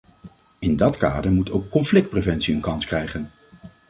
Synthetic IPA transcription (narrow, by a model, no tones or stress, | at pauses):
ɪndɑtka̰ːdəɹmutowkːɔnflɪk̚t̚prevɛntsiənkɑnskrɛjχən